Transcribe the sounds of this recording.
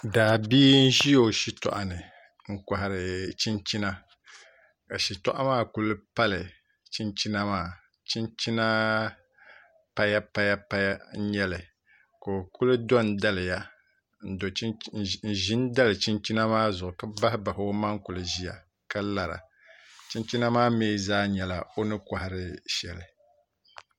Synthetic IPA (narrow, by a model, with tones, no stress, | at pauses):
daː˨biː˦n̩˦ʒi˦jo˨ʃi˦tɔ̰˨ʔa˨nɨ˨ | ŋ̩˨ka˨ɦa˨ɾɪ˨t͡ʃi˦nt͡ʃi˦na˦ | ka˨ʃi˨tɔ̰˦ʔa˦maː˦˨ku˦lɨ˦pa˦lɪ˨ | t͡ʃi˦nt͡ʃi˦na˦maː˦˨ | t͡ʃi˦nt͡ʃi˦na˦ | pa˦ja˦pa˦ja˦pa˦ja˦ɲɛ˦lɪ˨ | ko˨ku˦lɨ˦dɔ˦nda˦lɪ˨ja˦ | n̩˨do˨˦n̩˨ʒi˦nda˦lɨ˨t͡ʃi˦nt͡ʃi˦na˦maː˦zʊ˨ʊ˨ka˦ba˦hɪ˦ba˨ho˦ma˦ŋku˨lɨ˨ʒi˦ja̰˨ | ka˦la˨ɾa̰˨ | t͡ʃi˦nt͡ʃi˦na˦maː˦meː˦zaː˦ɲɛ˨la˨o˦nɨ˦ka˨hɪ˨ɾɨ˦ʃɛ˨lɪ˨